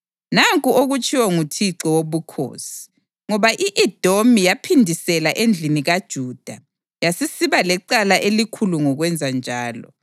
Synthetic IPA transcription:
naŋkʼuoɣut͡ʃʼiwɔŋutʰiǀɔwoβukʰo̰ːsi̥ | ŋɔβaʔiʔɛd̥ʱomijapʰindʱisɛlaʔend͡ɮʱiniɣad̥ʒ̥ʱuːd̥ʱa | jasisiβalɛǃalaʔelikʰuluŋɔɣwɛnd͡zʱand͡ʒʱaːlɔ̰

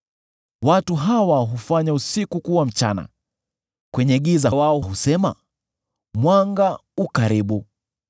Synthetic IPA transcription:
watuɦawaɦufaɲausikukuwam̩t͡ʃa̰na̰ | kwɛɲɛɠizawaɔɦusɛma̰ | mwaŋɡaukaɾiɓu

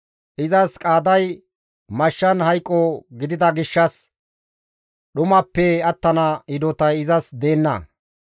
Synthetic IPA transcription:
ʔɪzɐskʼaːd̪ɐj | mɐʃːɐnhɐjkʼːɔɡɪd̪ɪd̪ɐɡɪʃːɐs | ɗʊmɐpːɛɐt̪ːɐnɐɪd̪ɔt̪ɐjɪzɐsd̪e̞ːnːɐ̰

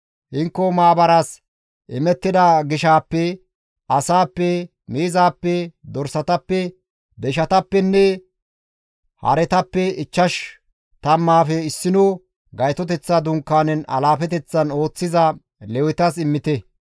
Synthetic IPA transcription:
hɪŋkːɔmaːbɐɾas | ʔɪmɛt̪ːɪd̪ɐɡɪʃaːpːɛ | ɐsaːpːɛ | miːzaːpːɛd̪ɔɾsɐt̪ɐpːɛ | d̪ɛʃɐt̪ɐpːɛnːɛ | hɐ̰ɾɛt̪ɐpːɛɪt͡ʃːɐʃ | t̪ɐmːaːfɛɪsːɪno | ɡɐjt̪ɔt̪ɛt͡sːɐd̪ʊŋkːaːnɛnɐ̰laːfɛt̪ɛt͡sːɐno̞ːt͡sːɪzɐ | lɛwɪt̪ɐs̬ɪmːɪt̪ɛ

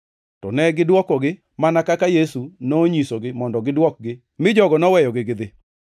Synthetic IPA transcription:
tɔnɛɡɪdwɔkɔɡɪ | manakakajesunoɲisoɡɪmɔndɔɡɪdwɔk̚ɡɪ | mɪd͡ʒɔɡɔnɔwɛjɔɡɪɡɪd̪ɪ

